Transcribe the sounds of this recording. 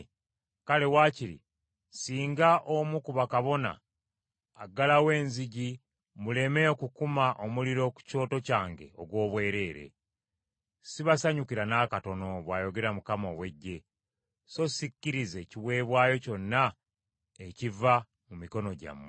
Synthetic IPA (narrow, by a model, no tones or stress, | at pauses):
kale̞waːciɾḭ | siːŋɡaʔomukuβakaβo̞na̰ː | ɡalawe̞ːnziɟi | mule̞meokukumaʔo̞muliɾo̞ku̥co̞ːto̞caːŋɡe̞̰o̞̰ɡwo̞ːβwe̞ːɾe̞ːɾe̞̰ | siβasaɲukiɾanaːkato̞no̞βwaːjo̞ɡe̞ɾamukamowe̞ɟːe̞ | so̞sicːiɾize̞ciwe̞ːβwaːjo̞co̞nːa | eciva | mumiko̞no̞ɟa̰mːe